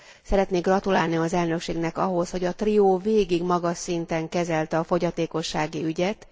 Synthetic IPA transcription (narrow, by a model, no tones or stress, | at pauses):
sɛɾɛt̪neːɡrɒt̪ulaːlniɒzɛlnø̞kʃeːɡnɛkɒ̰ɦo̞sho̞ɟɒt̪rioːveːɡiɡmɒɡɒʃːint̪ɛŋkɛzɛlt̪ɛɒfo̞ɟɒt̪eːko̞ʃːaːɡiyɟɛt̪